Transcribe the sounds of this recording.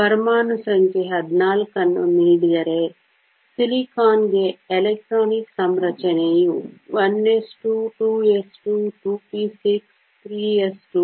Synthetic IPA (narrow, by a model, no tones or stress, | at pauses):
pɐɾmaːnusɾənkeɦɐd̪naːlkɐnmɪlɖɡɐɾeː | sɪlikʰaːnd͡ʑeeleːk̚ʈɾoːnɪksɐmɾɐt͡ʃəneːjũːʋɐneːsʈuʈuːesʈuːʈuːpiːsɪks | t̪ʰɾiːesʈuː